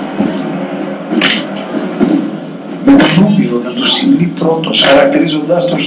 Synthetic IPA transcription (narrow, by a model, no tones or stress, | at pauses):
met̪onumionet̪usiɣnip̪ɾo̞t̪osxɐɾɐkt̪iɾizo̞nd̪ɐst̪us